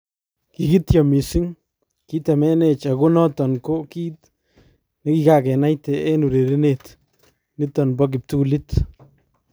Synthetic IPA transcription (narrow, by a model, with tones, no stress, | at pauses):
ki˨ki˦tja˨mi˨sɪ˦ŋ | ki˦tɛ˨mɛ˦ne˨t͡ʃaɡo˦nɔ˦tɔ˨nko˦ki˦t | neki˦ka˨kɛ˨na˦jtɛe˦nu˨ɾe˨ɾi˦net | nɪ˦tɔnbɔk̬ɪp̚tulɪt